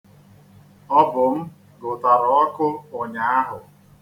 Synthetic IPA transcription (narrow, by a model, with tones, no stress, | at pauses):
ɔ˦bʊ˨m̩˦ | ɡʊ˨ta˨ɾɔ˨ɔ˦kʊ˦ʊ˨ɲa˨a˦ɦʊ˨